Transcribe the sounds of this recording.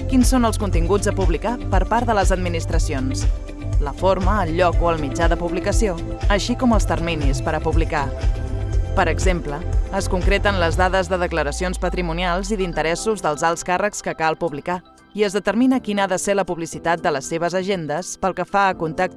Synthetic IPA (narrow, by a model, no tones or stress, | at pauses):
kinsonəlˠskunt̪iŋɡud͡zðəpuβlikapəɾpaɾðələzəd̪minist̪ɾəsions | ləfoɾməːlʎːɔkoəlˠmid͡ʒaðəpuβlikəsioəʃikɔməlˠst̪ərminispəɾəpuβlika | pəɾəɡzempləːskuŋkɾet̪ənləzðaðəzðəðəkləɾəsionspət̪ɾimunialˠziðint̪əɾɛsuzðəlˠzalˠskarəkskəkalˠpuβlika | iəzðət̪əɾminəkinaðəseləpuβlisit̪at̪̚d̪ələsːeβ̞əzəʒend̪əspəlˠkəfaəkunt̪ak̚t̪